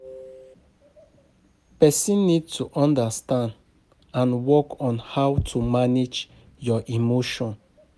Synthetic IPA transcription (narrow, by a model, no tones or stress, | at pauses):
pɛsĩnːid̚tʰuʔɔ̃ndastãnd | ãnwɔkɔ̃nhawtʰumaned͡ʒ | jɔʔimoʃɔ̃n